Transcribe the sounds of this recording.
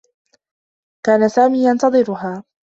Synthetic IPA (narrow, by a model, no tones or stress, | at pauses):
kaːnasaːmiːjɑnt̪ɑðˤɨɾʊɦaː